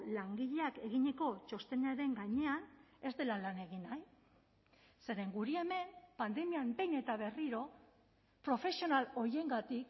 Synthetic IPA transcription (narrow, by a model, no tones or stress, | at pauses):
laŋɡiʎe̞akeɣiɲe̞ko̞t͡ʃo̞st̪e̞neaɾe̞ŋɡaɲe̞ane̞zd̪e̞lalane̞ɣinaj | se̞ɾe̞ŋɡuɾie̞me̞mpand̪e̞miambe̞jne̞t̪aβ̞e̞riɾo̞ | pɾo̞fe̞sio̞nalo̞je̞ŋɡat̪ik